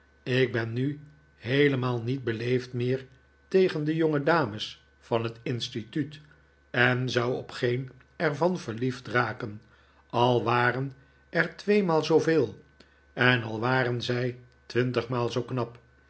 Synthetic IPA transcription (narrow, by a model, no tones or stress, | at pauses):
ɪɡ̚bɛnːy | ɦejləmaːlˠnid̚bəlejftmɪːɹ | tejχəndəjoŋədaːməs | fɑnɦətɪnstityt | ɛnzʌwɔ̰pχejn | ɛɹvɑnvəɹliftraːkən | ɑlˠʋaːrən | ɛɹtʋejmaːlˠzowvɪːlˠ | ɛnɑlˠʋaːrənzɛj | tʋɪntəχmaːlˠzowknɑp